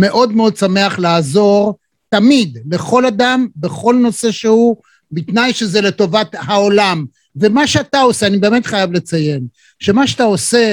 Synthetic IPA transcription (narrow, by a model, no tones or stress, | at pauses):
me̞ʔo̞d̪meo̞d̪̚same̞aχlaːzo̞ʁ | t̪amid̪le̞χo̞ladambeχo̞lno̞se̞ʃehu | bit̪najʃe̞zele̞to̞vat̪hao̞lam | ve̞maʃeatao̞seanibe̞ːmet̪χajavle̞t͡saje̞m | ʃe̞maʃat̪ao̞se